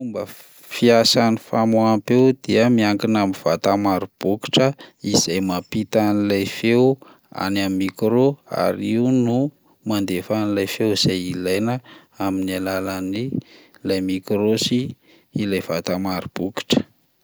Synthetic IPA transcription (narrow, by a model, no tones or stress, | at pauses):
fumbə | fiasanifamoapewd̪iəmiaŋkinamiv̥at̪amaɾub̥uki̥ʈ͡ʂəiz̥ajmapit̪anilajfew | a̰nammːikɾoa̰ɾiunu | mand̪efanilajfewiz̥ajilajnə | aminalalani | lajmikɾosiː | lajvat̪amaɾub̥uki̥ʈ͡ʂə̥